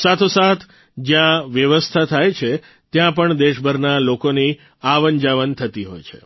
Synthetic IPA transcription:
sat̪ʰosat̪ʰ | d͡ʒjãʋjəʋəst̪ʰat̪ʰajt͡ʃʰe | t̪jãpəɳd̪eʃbʱəɾnalokoni | aʋənd͡ʒaʋənt̪ʰət̪iɦo̰jt͡ʃʰḛ

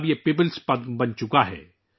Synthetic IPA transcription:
bjepeːpɪlspɐd̪bɐnt͡ʃʊkaɦɛ̰ː

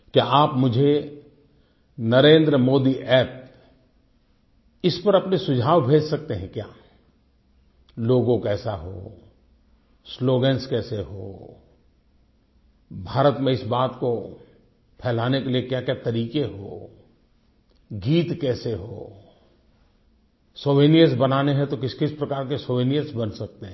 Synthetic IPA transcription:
kjaaːpmʊd͡ʒʱe | nɐɾẽːnd̪ɾəmoːd̪iʔɛːp̚ | ɪspɐɾɐpnesʊd͡ʒʱaːʋbʱeːd͡ʒsɐk̚t̪eɦɛ̃kja̰ː | loːɡõkɛːsaɦo̰ | sloːɡɛ̃nskɛːseɦo̰ː | bʱaːɾət̪mẽɪsbaːt̪ko | pʰɛːlaːnekeliekjakjaːt̪ɐɾiːkeɦo̰ː | ɡiːt̪kɛːseɦo̰ː | soːʋeːnijəsbɐnaːneɦɛ̃t̪okɪskɪspɾɐkaːɾkesoːʋeːnijəsbɐnsɐk̚t̪eɦɛ̃

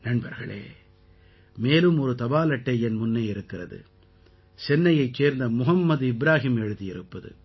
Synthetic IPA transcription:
nɐɳbɐɾɣɐ̰ɭḛː | meːlɯmɔɾɯt̪ɐbaːlɐʈːɐɪɛnmʊnːɐɪɪɾɯkːɪrɐðɯ̰ | sɛnːɐjɐɪt͡ʃːeːɾnd̪ɐmʊɦɐmːɐðɪbɾaːɦimɛɻɯðɪjɪɾɯpːɐðɯ̰

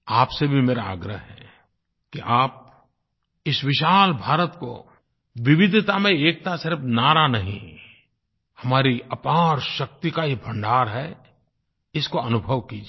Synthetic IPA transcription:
aːpsebʱimeːɾaa̰ːɡɾəɦɦɛ̰ | kiʔaːp̚ | ɪsʋɪʃaːlbʱaːɾət̪ko̰ | ʋɪʋɪd̪ʱt̪amẽeːk̚t̪asɪɾfnaːɾanɐɦḭ̃ | hɐmaːɾiɐpaːɾʃɐk̚t̪ikaibʱɐ̃ɳɖaːɾɦɛ | ɪskoɐnʊbʱəʋkid͡ʒ

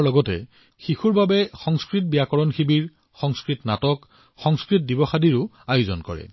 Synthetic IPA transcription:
lɔɡɔtɛ̰ | xixuɹbabɛxɔŋskɹit̚bijakɔɹɔnxibiɹ | xɔŋskɹitnatɔk | xɔŋskɹit̚dibɔxadiɹʊ | ajʊzɔnkɔ̰ɹɛ̰

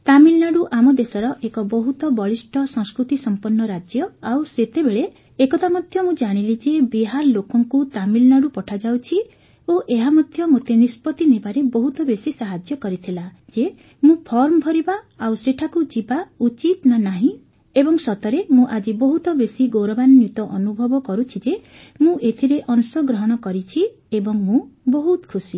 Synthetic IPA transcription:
t̪amilnaɽuʔamɔd̪esɔɾɔʔekɔbɔɦut̪ɔbɔɭisʈɔsɔ̃ŋskɾut̪isɔmpɔnːɔɾad͡ʒjɔawset̪ebeɭe | ekɔt̪amɔd̪ʱjɔmũd͡ʒaɽ̃ilid͡ʒebiɦaɾlokɔŋkut̪amilnaɽupɔʈʰad͡ʒawt͡ʃʰi | oʔeɦamɔd̪ʱjɔmot̪enispɔt̪inebaɾebɔɦut̪ɔbesisaɦad͡ʒjɔkɔɾit̪ʰilad͡ʒe | mũpʰɔɾmɔbʱɔɾiba | awseʈʰakud͡ʒibaut͡ʃit̪nanaɦĩ | ebɔŋsɔt̪ɔɾemũʔad͡ʒibɔɦut̪ɔbesiɡowɾɔbannjut̪ɔʔɔnubʱɔbɔkɔɾut͡ʃʰid͡ʒe | mũʔet̪ʰiɾeʔɔnsɔɡɾɔɦɔɽ̃ɔkɔɾit͡ʃʰi | ebɔŋmũbɔɦut̪kʰusi

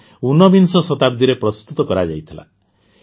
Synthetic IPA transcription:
unɔbinsɔsɔt̪abd̪ʱiɾepɾɔst̪ut̪ɔkɔɾad͡ʒajt̪ʰila̰

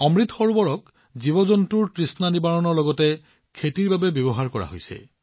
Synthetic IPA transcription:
ɔmɹit̪ʰxɔɹbɔɹɔk̚ | zibɔzɔntuɹtɹisnanibaɹɔnɔɹlɔɡɔtɛ | kʰetiɹbabɛbjɔbɔɦaɹkɔɹa̰ɦo̰jsɛ̰

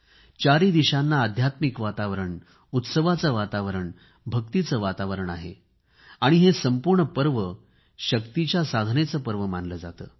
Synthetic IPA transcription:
t͡ɕaɾid̪iɕanːaːd̪ʱjat̪mikʋat̪aʋəɾəɳ | ut̪səʋat͡səʋat̪aʋəɾəɳ | bʱəkt̪it͡səːʋat̪aʋəɾəɳa̰ɦḛ | aɽ̃iɦesəmpuɾɳəpəɾʋə | ɕəkt̪it͡ɕjasad̪ʱnet͡səpəɾʋəmanləːd͡zat̪ə̰ː

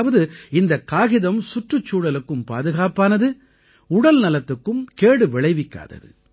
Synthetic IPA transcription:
ʋɐðɯɪnd̪ɐkːaːɣɪðɐmsʊʈrɯt͡ʃːuːɽɐlɯkːɯmpa̰ːðɯɣaːpaːnɐðɯ | ʊɽɐlnɐlɐt̪ːɯkːɯmkeːɽɯʋɪɭɐɪʋɪkːa̰ːðɐ̰ðɯ̰

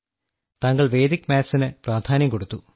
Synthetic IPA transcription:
t̪ɐŋɡɐɭʋe̞ːd̪ikʲːmaːsinɨpraːd̪ʱaːnjɐmko̞ɽut̪ːu

